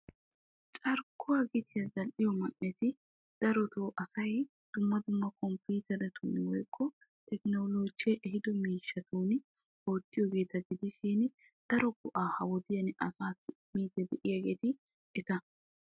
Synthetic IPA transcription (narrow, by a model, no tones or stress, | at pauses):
t͡ʃʼɐɾkːʊwaɡɪt̪ʰɪjɐzɐlʔɪjɔmɐnːɛt̪ɪ | d̪̥ɐɾɔt̪oːʔɐsɐj | d̪̥ʊmːɐd̪ʊmːɐkɔmpiːt̪ɛɾɛt̪unwɔjkʰːɔ | t̪ʰɛknoloːd͡ʒɛʔɛɦɪd̪ɔmiːʃːɐt̪uːn | oːt̪ːɪjɔɡe̞ːt̪ɐɡɪd̪ɪʃiːn | d̪̥ɐɾɔɡʊʔaːhɐwɔd̪ɪjɐnʔɐsaːt̪ːmiːt̪ːɛd̪ɛʔɪjaɡeːt̪ɪ | ɪt̪ɐ